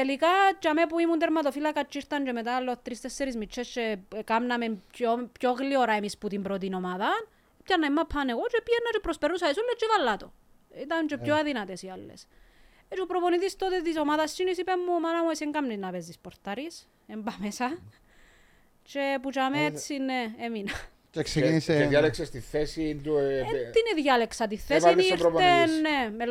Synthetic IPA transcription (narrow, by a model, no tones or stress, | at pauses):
t̪elikat͡ʃamepuimunt̪̬eɾmat̪ofilakat͡ʃːiɾt̪ɐnt͡ʃemet̪alːoθt̪ɾist̪esːeɾizmit͡ʃʰːest͡ʃekamnamemopjoɣlioɾaemisput̪imbɾot̪̬inomaðɐn | pcaɾnɐimːapʰːaneɣot͡ʃepjenːat͡ʃupɾospeɾusaisulːet͡ʃːivalːat̪o̰ | it̪ant͡ʃepjoaðinat̪esialːḛs | et͡ʃupɾoponiðist̪ot̪et̪isomaðɐst͡ʃinisipemːumɐnɐmueseŋɡɐmninɐpezt̪ispoɾt̪ɐɾis | embɐmesɐ | t͡ʃeput͡ʃamet͡sːineeminɐ | ceksekiniseejaleksest̪iθesint̪uineðjaleksɐt̪iθːesiot̪ːenːeme